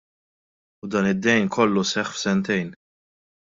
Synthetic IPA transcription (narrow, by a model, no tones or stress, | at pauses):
ʊd̪ɐːnɪd̪ːɛjnkʰɔlːusɛχfsɛnt̪ɛjn